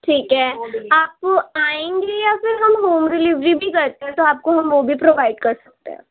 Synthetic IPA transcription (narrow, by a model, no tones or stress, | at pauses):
ʈʰiːkɦɛːaːp̚koaːẽŋɡejafɪɾɦɐmɦoːmɾɪlɪʋɾibʱikɐɾt̪eɦɛ̃t̪oaːp̚koɦɐmʋobʱipɾoːʋaːɪɖkɐɾsɐ̥k̚t̪ḛɦɛ̰̃ː